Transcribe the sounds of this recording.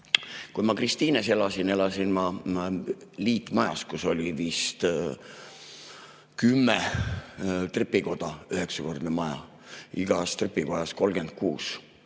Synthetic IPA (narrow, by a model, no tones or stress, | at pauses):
kujmɑkrist̪iːnese̞lɑsine̞lɑsinmɑ | liːt̪ːˑmɑjɑ̰skuso̞lʲivist̪ | kymːe | t̪repːˑiko̞d̪̥ɑyhe̞ksɑko̞rd̪nemɑjɑ̰ | iɡ̥ɑst̪repːˑiko̞jɑsko̞lɡ̥e̞nd̪̥̚kṵːs